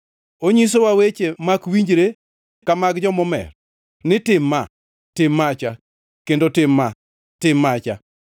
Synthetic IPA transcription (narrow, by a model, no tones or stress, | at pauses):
oɲis̬owawet͡ʃemakwiɲd͡ʒɾe | kamaɡd͡ʒɔmɔmɛ̰r | nɪtɪmːa | tɪmːat͡ʃa | kendotɪmːa | tɪmːat͡ʃa